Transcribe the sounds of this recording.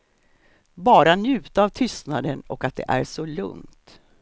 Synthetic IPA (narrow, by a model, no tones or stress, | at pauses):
bɑːɾanjʉ̟ːt̪aaːvt̪ʰʏst̪nad̪ənɔkat̪̚d̪ɛ̰ʔæ̰ɾʂɔlɵ̰ŋt̪